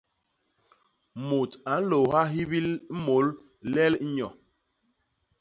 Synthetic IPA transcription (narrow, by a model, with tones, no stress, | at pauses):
mo˨ta˨˦n̩˦lo˨ha˦ɦi˦bi˦lmo˨˦l | lɛ˦lɲɔ˨